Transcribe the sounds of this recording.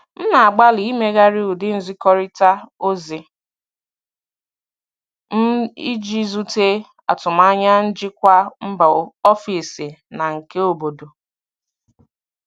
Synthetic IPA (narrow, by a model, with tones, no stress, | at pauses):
n̩˦na˨a˨ɡ͡ba˦li˨˦me˦ɣa˦ɾi˦u˨dɪ˦n̩˦zi˦kɔ˦ɾi˦ta˦o˦zi˨ | n̩˦i˦d͡ʒi˦zu˦te˦ | a̰˨tʊ˨ma˦ɲa˦n̩˦d͡ʒɪ˦kʷa˦m̩˦ba˨ɔ˦fi˨sɪ˨na˨ŋ̩˨ke˦o˨bo˨do˨